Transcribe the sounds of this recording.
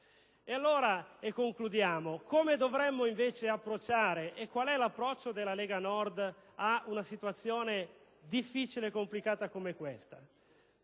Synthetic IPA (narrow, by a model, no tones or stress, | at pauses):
ealːoːɾaekːoŋklud̪jaːmokomed̪ovɾɛmːoiɱveːt͡ʃeapːɾot͡ʃːaːɾeʔekːwalɛlapːɾɔt͡ʃːod̪elːaleːɡanɔrd̪aunasit̪uat̪sːjoːne | d̪ifːiːt͡ʃileːkːomplikaːt̪akomekwest̪a